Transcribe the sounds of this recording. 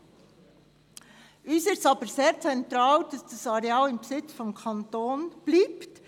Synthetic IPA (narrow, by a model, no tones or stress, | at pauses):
ʔyːsɪtɑːbəɾseːɾt͡sɛntɾɑːld̥ɑsd̥ɑsɑɾeɑːlɪmbəsɪt͡sfɔmkʰɑntoːnb̥liːpt